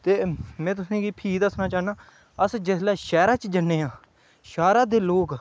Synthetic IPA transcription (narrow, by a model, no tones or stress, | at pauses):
t̪eːmɛ̃ːt̪̬ʊsẽːɡiːpʰiːd̪əsnaːt͡ʃaːnaː | əsd͡ʒɪslɛːʃɛːɾaːt͡ʃd͡ʒənːeːãː | ʃaːɾaːd̪eːloːk